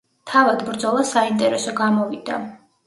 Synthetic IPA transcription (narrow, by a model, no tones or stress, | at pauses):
t̪ʰavad̪bɾd̪zɔlˠasaint̪ʼɛɾɛsɔɡamɔvid̪a̰